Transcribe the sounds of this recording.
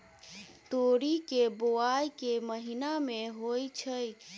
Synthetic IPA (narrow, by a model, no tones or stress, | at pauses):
t̪oɾikeboajkeməɦinameɦojt͡ʃʰəj